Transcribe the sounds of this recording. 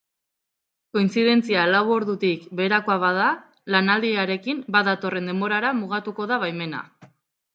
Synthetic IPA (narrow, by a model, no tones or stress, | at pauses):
ko̞insiðe̞nt͡sialawo̞ɾðut̪ikbe̞ːɾakoaβaða | lanald̪iaɾe̞kimbaðat̪o̞re̞nd̪e̞mbo̞ɾaɾamuɣ̞at̪uko̞ð̞aβajme̞na̰